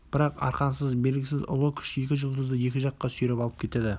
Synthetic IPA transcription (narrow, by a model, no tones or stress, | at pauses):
b̥ɪɾɑqɑ̰ɾqɑnsəzbe̞lɡʲɪsɪzʊ̰lˠəkʲʰʏ̥ʃe̞kʲɪʒʊlˠd̪əzd̪əje̞kʲɪʒɑqːɑsyjɾepɑlˠəp̚kʲʰe̞t̪ed̪ɪ